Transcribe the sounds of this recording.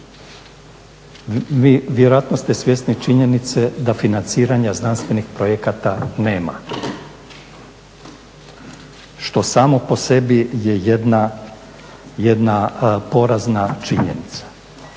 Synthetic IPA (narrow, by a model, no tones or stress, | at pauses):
iʋjeɾojat̪nost̪e̞sʋʲjest̪nit͡ʃiɲe̞nit̪se̞d̪afinant̪siːɾaɲaznanst̪ʋe̞nixpɾojekat̪ane̞ːma̰ | ʃt̪o̞saːmo̞po̞se̞bijejed̪na | jed̪napo̞ɾaznat͡ʃiɲḛnit̪sḁ